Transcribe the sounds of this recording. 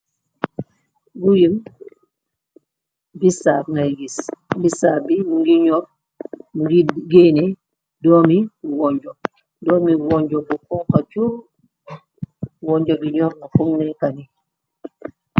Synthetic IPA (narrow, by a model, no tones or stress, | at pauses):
ɡujim | bisaŋajɡisbisabimuŋɡiɲɔɾ | muɡiɡenɛ | dɔmiwɔɲd͡ʒɔ | dɔmiwɔɲd͡ʒɔbukɔŋkat͡ʃu | wɔɲd͡ʒɔbiɲɔɾmukumnɛkani